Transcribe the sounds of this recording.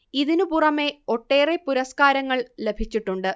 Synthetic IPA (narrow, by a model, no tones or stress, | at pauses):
iðinupurɐme̞o̞ʈːe̞ːrepuɾɐskaːɾɐŋːɐɭle̞bʱit͡ɕːiʈːuɳɖɨ